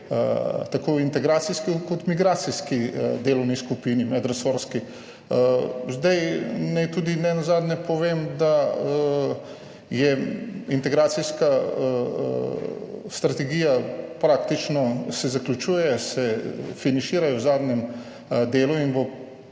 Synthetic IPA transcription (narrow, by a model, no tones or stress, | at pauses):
t̪akoːint̪ɛɡɾaːt̪siskikɔt̪miɡɾaːt̪siskid̪eːlɔwniskupinimɛd̪ɾasoːɾski | zd̪ajnɛjt̪uːd̪inɛnɔzaːd̪nɛpɔʋeːmd̪a | jɛint̪ɛɡɾaːt̪siska | st̪ɾɐt̪ɛɡiːjapɾaːkt̪it͡ʃnɔsɛzaklʲut͡ʃuːjɛsɛfinaʃiːɾajɔwzaːd̪ɲɛm | d̪eːluinbo